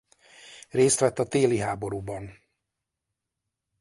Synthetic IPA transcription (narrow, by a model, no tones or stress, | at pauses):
reːst̪ʋɛt̪ːɒt̪eːliɦaːbo̞ɾuːbɒn